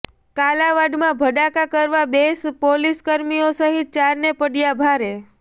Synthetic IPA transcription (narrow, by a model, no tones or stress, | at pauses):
kalaʋaɖmãbʱəɖakakəɾʋabespoliskəɾmiosəɦit̪̚t͡ʃaɾnepəɽjabʱaɾe